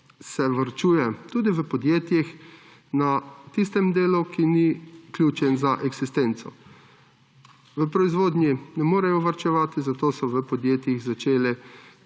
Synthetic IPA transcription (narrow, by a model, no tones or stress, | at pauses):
sɛʋaɾt͡ʃuːjɛt̪uːd̪iʋəpɔd̪jeːt̪jix | nat̪ist̪ɛmd̪eːlukinikljuːt͡ʃɛnzaʔɛɡsist̪ent̪sɔ̰ | ʋəpɾɔizʋoːd̪nʲjinɛmoːɾɛjɔʋaɾt͡ʃɛʋaːt̪izat̪oːsɔʋəpɔd̪jeːt̪jiɣzat͡ʃeːlɛ